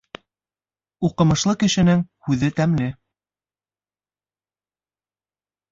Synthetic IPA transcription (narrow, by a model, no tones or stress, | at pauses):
uqɤ̆mɤ̆ʃlˠɤkɘ̆ʃɘ̆nɘŋhʉðɘt̪æmlɘ